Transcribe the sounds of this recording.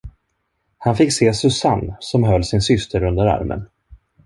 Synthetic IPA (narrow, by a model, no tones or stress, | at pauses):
hanfɪkseːsɵsanːsɔmɦœlːsɪnsʏst̪ʰəɾɵnd̪əɾa̰ɾmə̰n